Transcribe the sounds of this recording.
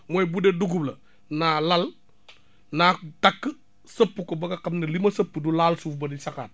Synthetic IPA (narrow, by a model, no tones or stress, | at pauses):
mojbudeduɡublɐ | nalal | natakː | səpːukobɐɡakɐmnɐlimɐsɐpːudulaːlsuːfbɐdisaka̰ːt̚